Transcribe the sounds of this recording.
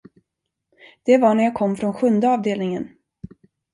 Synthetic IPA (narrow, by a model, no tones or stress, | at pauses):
d̪̥ɛvaɳæɾjaːkʰɔmːfɾɔnɧɵnd̪əɑːvd̪eːlnɪŋən